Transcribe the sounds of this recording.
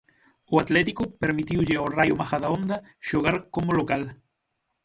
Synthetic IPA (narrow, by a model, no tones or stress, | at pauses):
oat̪let̪ikopeɾmit̪iwʎeowrajomaxaðaond̪a | ʃoɣaɾkomolokal